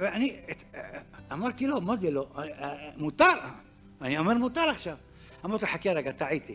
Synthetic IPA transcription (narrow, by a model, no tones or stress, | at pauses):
veʔani | ʔamaɾˤt̪ilomazelo | mut̪ɑɾˤ | aniameɾmut̪ɑɾˤaχʃav | ʔamaɾt̪iħakiaɾaɡat̪aʕit̪i